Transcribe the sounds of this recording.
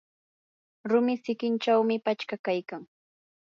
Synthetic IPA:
ɾʊmɪsɪkɪnt͡ʃawmɪpat͡ʃkakajkaŋ

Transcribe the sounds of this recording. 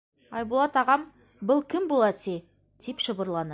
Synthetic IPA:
ɑjbolˠɑt̪ɑʁɑm | bəlˠkʲɪmbolˠɑt̪ʰe | d̪̥epʃəbəɾlˠɑnə

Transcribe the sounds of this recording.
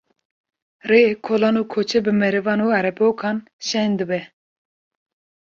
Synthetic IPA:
reːkʰoːlɑːnuːkʰoːt͡ʃʰɛbɨmɛɾɨvɑːnuːaɾɛpoːkʰɑːn | ʃɛnd̪ɨbɛ

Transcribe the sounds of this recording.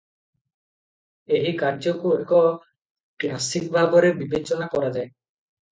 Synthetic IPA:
eɦikaɾd͡ʒɔkuekɔ | klasikbʱabɔɾebibet͡ʃɔnakɔɾad͡ʒae

